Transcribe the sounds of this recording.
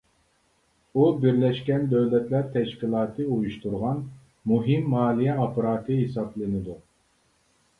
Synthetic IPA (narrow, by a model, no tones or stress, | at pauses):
ubɪɾlɛʃkʲɛnd̪øwlɛt̪ʰlæɾt̪ʰɛʃkʲilˠɑːt̪ʰɨujuʃt̪uɾʁɑn | muɦimːɑːlˠijɛɑpʰəɾɑːt̪ʰɨɦesɑplˠɨnɨd̪u